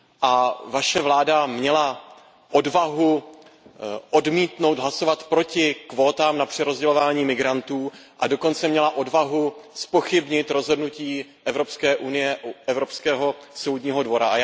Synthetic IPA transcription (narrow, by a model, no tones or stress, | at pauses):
ʔavaʃɛvlaːdamɲɛla | ʔo̞dvaɦu | ʔo̞dmiːt̪nowd̪ɦlaso̞vat̪pɾo̞cɪkvo̞ːt̪aːmnapr̥ɛɾo̞zɟɛlo̞vaːɲiːmɪɡɾant̪uːʔado̞ko̞nt͡sɛmɲɛlaʔo̞dvaɦuspo̞xɪbɲɪt̪ɾo̞zɦo̞dnuciːʔɛvɾo̞pskɛːʔunɪjɛʔɛvɾopskɛːɦo̞so̞wd̪ɲiːɦo̞dvo̞ɾaa